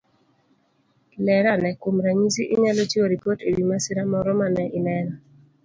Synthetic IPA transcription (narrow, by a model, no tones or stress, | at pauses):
lɛɾanɛkomɾaɲisiʔɪɲalot͡ʃioɾipoteɾimasɪɾamɔɾɔmanɛʔɪnɛɾa